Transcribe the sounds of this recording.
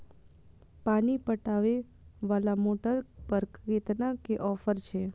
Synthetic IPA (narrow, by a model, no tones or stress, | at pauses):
panipəʈaʋe | ʋalamoʈəɾpəɾkɡet̪nakeʔɔfəɾt͡ʃʰe